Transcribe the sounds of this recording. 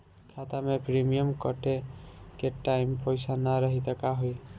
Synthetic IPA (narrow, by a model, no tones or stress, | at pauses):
kʰat̪amepɾimijəmkəʈekeʈaɪmpəjsanaɾəɦit̪əkaɦoj